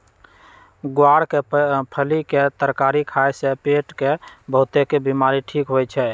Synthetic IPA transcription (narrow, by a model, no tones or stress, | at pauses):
ɡwaɽkepʰəliket̪əɾkaɾikʰajsepeʈkebəɦut̪ekebimaɾiʈʰikɦojt͡ʃʰɛ